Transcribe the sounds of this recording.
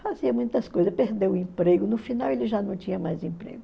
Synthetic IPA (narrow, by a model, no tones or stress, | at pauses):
faziɐmũj̃t̪ɐskojzɐspeɾd̪ewʊĩpɾeɡʊnʊfinawelɪʒanɐ̃w̃t͡ʃĩɲɐmajzĩpɾḛɡʊ